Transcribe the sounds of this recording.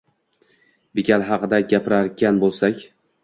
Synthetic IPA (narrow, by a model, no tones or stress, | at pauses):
bɪkʲʰalɦɑqɨd̪aɡʲapɪɾaɾkʲanbolˠsakʲ